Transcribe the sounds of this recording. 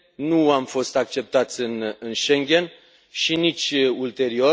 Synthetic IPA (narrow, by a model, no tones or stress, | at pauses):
nuamfo̞st̪ak̚t͡ʃe̞p̚t̪at̪sʲɨnɨnʃe̞ŋɡʲe̞n | ʃinit͡ʃʲult̪e̞ɾio̞